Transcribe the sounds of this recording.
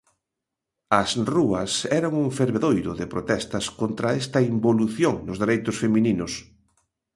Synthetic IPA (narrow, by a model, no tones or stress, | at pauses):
ɐsruɐsɛɾaŋuŋfeɾβeðojɾʊðɪpɾot̪ɛst̪ɐskont̪ɾɐɛst̪ɐimboluθjoŋnʊzðeɾejt̪ʊsfemininʊs